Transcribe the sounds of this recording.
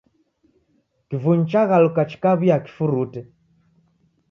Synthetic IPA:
kivuɲit͡ʃaɣalukat͡ʃi̥kaβijaki̥fuɾutɛ

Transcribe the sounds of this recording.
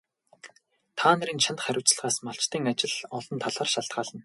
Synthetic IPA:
t̪ʰaːn̆ɾiːnt͡ɕʰant̪χæɾʲʊ̆w̥t͡s̆ɮʁaːsmaɬt͡ɕt̪iːŋat͡ɕɪ̆ɮɔɮɞ̆nt̪ʰaɮaːrʃaɬt̪̚ɢaːɮə̆n

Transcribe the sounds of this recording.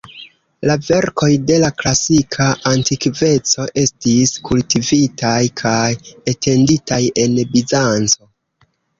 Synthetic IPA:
lave̞ɾko̞jde̞laklasikʰaʔantikve̞t͡so̞ʔe̞stiskultivitajkʰajetʰe̞nditaje̞nbizant͡so̞

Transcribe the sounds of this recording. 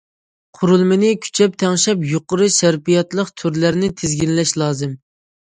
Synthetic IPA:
qʰʊɾulˠmɪnɪkʲʰy̥t͡ʃʰɛp̚t̪ʰɛŋʃɛpjoqʊɾɨʃæɾpijɑt̪lˠəqt̪ʰøɾlæɾnɪt̪ʰɪzɡʲinlɛʃlˠɑːzɨm

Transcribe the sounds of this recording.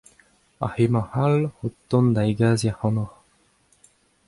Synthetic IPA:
a̰hemɑ̃halot̪ːɔ̃nd̪aiɡaːziahɑ̃nɔχ

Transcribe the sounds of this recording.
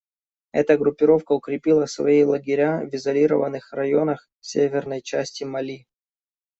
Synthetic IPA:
ɛ̰t̪əɡɾʊpʲːɪɾo̞fkəʊkɾʲɪpʲilˠəfsvɐ̰ilˠəɡʲɪɾʲavʲɪzɐlʲiɾəvənːɨxrɐjo̞nəx | sʲevʲɪrnəjt͡ɕæsʲtʲɪmɐlʲi

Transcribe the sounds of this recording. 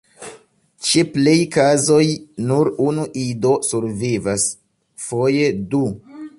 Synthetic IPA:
t͡ʃeplejkazo̞jnuɾunuʔido̞suɾvivas | foje̞du

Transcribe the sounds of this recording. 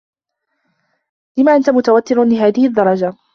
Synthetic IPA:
lɪmaːʔant̪amʊt̪awat̪ːɪɾlɪɦaːðɪhɪd̪ːɑɾˤɑd͡ʒa

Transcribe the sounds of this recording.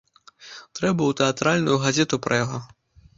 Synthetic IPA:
t̪ɾɛbɐwt̪ɛat̪ɾalʲnujuɣazʲɛt̪upɾɐjaɣɔ

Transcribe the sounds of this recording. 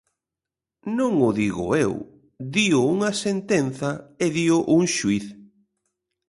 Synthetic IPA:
nõŋʊðiɣʊ̰ew | ðiʊuŋɐsent̪enθɐɪðiʊʔuŋʃuiθ

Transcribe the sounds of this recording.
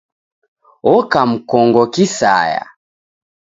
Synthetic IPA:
ɔkam̩kɔŋɡɔkisa̰ja̰

